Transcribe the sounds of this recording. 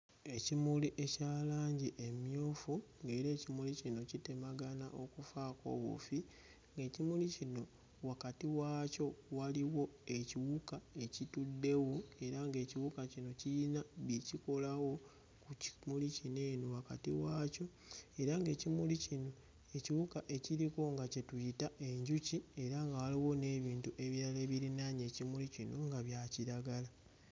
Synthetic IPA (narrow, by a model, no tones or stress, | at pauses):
e̞cimuliʔecaːlaːɲɟiʔemjo̞ːfu | ŋɡe̞ːɾe̞ːcimulicino̞citemaɡanaʔo̞kufako̞̰ːβṵfi | ŋɡe̞ːcimulicino̞ | wakatiwaco̞waliwo̞e̞ciwukae̞citudːe̞woe̞ɾaŋɡe̞ːciwukacino̞ciinaβiciko̞lawo̞ | kucimulicine̞ːnowakatiwaːco̞ | e̞ɾaŋɡe̞ːcimulicino̞ | e̞ciwukaʔe̞ciɾiko̞ŋɡace̞tujitaʔe̞ɲɟucie̞ɾaŋɡawaliwo̞ne̞βiːntuʔe̞βiɾale̞ːβiɾinaɲe̞ːcimulicinoŋɡaβjaːciɾaɡala